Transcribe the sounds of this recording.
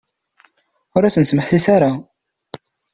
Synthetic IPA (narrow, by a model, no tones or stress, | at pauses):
ʊɾæsənsməħθisaɾa